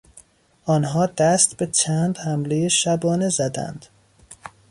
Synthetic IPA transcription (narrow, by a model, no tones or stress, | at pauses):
ɒːnɦɒːd̪æst̪bet͡ʃʰæːnd̪hæmle̞jeʃæbɒːnezæd̪æ̰nd̪̥